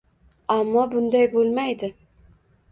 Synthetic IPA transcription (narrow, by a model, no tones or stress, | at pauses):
amːɒbʊnd̪ajbolˠmajd̪ɪ